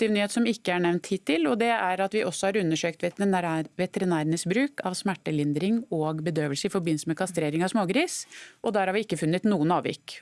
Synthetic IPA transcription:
t̪ɪʋnyːeːt̪sɔmɪkːəæɳɛʋnt̪hiːt̪ːɪlɔd̪ɛæɾɑt̪ʋɪʔɔsːɔhɑɾʉnːəʂøːkt̪ʋ̪ʋɛt̪əɾɪnæːɾənəsbɾʉːkʰɑʋsmæʈːəlɪnd̪ɾɪŋɔɡbəd̪øːʋəlsəɪfɔɾbɪn̩səmɛkʰɑst̪ɾeːɾɪŋɑʋsmoːɡɾiːsʔɔd̪æɾhɑɾʋɪɪkːəfʉnːət̪nuːənɑːʋɪ̰kː

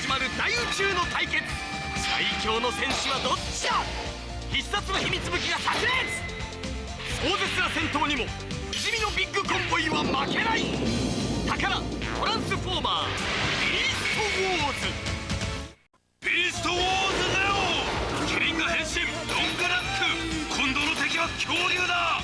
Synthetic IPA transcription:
imaɾɯ̟d̪ait͡ɕɨːno̞t̪aikẽ̞̥ | sa̰ikʲo̞ːno̞sẽ̞ɰ̃ɕɨβad̪o̞t͡ɕːia | çʲissat͡sɨɡaçimʲit͡sɨbɯ̟kʲiɡasaʑima | so̞ːzesɨɾasẽ̞nt̪o̞ːɲ̟imo̞ | iʑimʲino̞bʲiɡːɯ̟kõmpo̞ĩβamake̞nai | t̪akaɾatoɾãɰ̃sɨɸo̞ːma̰ːbʲiɾʲist̪owoːzɨ | bʲiɾist̪owoːzɨd̪ajokʲʰiɾʲiŋɡɯsẽ̞ɰ̃ɕĩmd̪õŋɡaɾaskɯkʰõnd̪onot̪e̞kʲiβakʲʰoːɾʲɯːd̪a

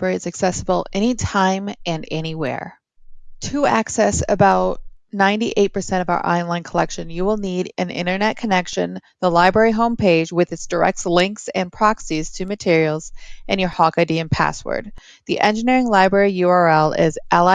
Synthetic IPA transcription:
ɛɹiɨzɨksɛsəbl̩ˠɛñitʰãɪ̃mɨ̃nɛñiwɛ̰ɹ | tʰɨæksɛsɨ̰baʊt̚nãɪ̃ntiʔeɪt̚pʰə˞sɛ̃ɾ̃ʌvaʊə̰˞ʔã̰ɪ̃nlãɪ̃nkʰəlɛkʃɨ̃njɨwəlˠniɾɨ̃nɪ̰̃ɾ̃ə˞nɛt̚kʰɨnɛkʃɨ̰̃nðəlaɪbɹɛɹiɦõʊ̃mpʰeɪd͡ʒwɨðɨtsd̥ə˞ɛ̰k̚tslɪ̃ŋksɨ̃npʰɹ̥ɑksiz̥tʰɨmɨtʰɪɹil̩ˠz̥ʔɨ̃njə˞hɑkɨdiɨ̃npʰæ̰swə̰˞d̪̚ | ðiʔɛ̃nd͡ʒɨnɪɹɪ̃ŋlaɪbɹɛɹijʉɑɹɛlˠɪ̰zʔælˠ

